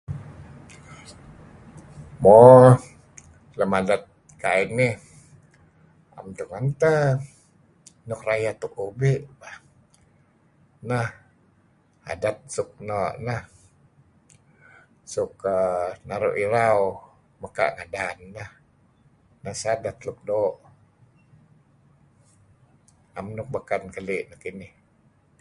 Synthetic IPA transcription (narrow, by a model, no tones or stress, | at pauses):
mɔ | ləmadat̪̚ | kainɪh | a̰mt̪uʔŋant̪ə | nɔkrajat̪uʔubɪʔbah | nəh | a̰dat̪̚sʊk̚naʔnəh | sʊkənaɾṵʔiɾaw | məka̰ʔŋadanːəh | nahsadat̪luk̚doʔ | amnuk̚bakankəliʔnakinih